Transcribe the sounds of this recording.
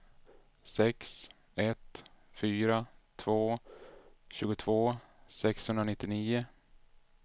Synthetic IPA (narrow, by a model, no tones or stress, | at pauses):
sɛks | ɛt̪fyːɾat̪ʰvoː | ɕʉ̟ːɡʊt̪ʰvoːsɛkshɵnd̪ɾanɪt̪ːɪniːʊ